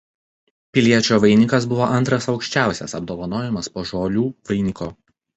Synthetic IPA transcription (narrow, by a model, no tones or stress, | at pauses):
pʲɪlʲiɛt͡ʃʲoːʋɐɪnʲɪkɐsbʊʋoːʔɐnʲˑt̪ɾɐsɒʊkʃʲt͡ʃʲæˑʊsʲɛ̰sɐb̚d̪oːʋɐnoːjɛmɐspoːʒoːlʲuːʋɐɪnʲɪkoː